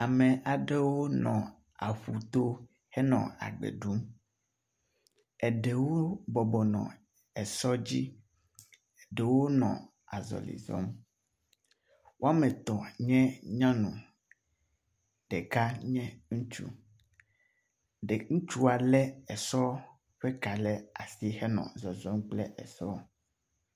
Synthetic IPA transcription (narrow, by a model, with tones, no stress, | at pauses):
a˨mẽ˨ʔa˨ɖe˦wo˦nɔ̃˨ | a˨ɸu˨t̪o˦ | hɛ˦nɔ̰̃˨a̰˨ɡ͡bḛ˨ɖu˦m | ɛ˨ɖe˨wo˦bɔ˨bɔ˨nɔ̰̃˨ | ɛ˨sɔ˦d͡ʑi˦ | ɛ˨ɖe˨wo˦nɔ̰̃˨ | a˨zɔ̰˨lḭ˨zɔ̰˦m | wo˦a˦mɛ̃˨t̪ɔ˨ɲɛ̃˦ɲã˦nṵ̃˨ | ɖ̥ɛ˨ka˦ɲɛ̃˦ŋũ˦t͡ʃṵ˦ | ɖe˨ŋũ˦t͡ʃu˦a˨lɛ˦ɛ˨sɔ˦ | ɸɛ˦ka˨lɛ˦a̰˨si˦hɛ˦nɔ̰̃˨zɔ˨zɔ˦mk͡plɛ˦ɛ̰˨sɔ˦˨